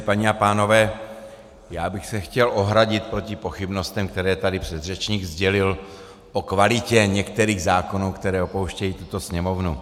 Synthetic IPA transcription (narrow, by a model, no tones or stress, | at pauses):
paɲɛapaːno̞vɛː | jaːbɪxsɛxcɛlʔo̞ɦɾaɟɪt̪̚pɾo̞cɪpo̞xɪbno̞st̪ɛmkt̪ɛɾɛːt̪adɪpr̥ɛd̪rɛt͡ʃɲiːɡzɟɛlɪl | po̞kvalɪcɛɲɛkt̪ɛɾiːɣzaːko̞nuwkt̪ɛɾɛːo̞po̞wʃcɛjiːt̪ut̪o̞sɲɛmo̞vnu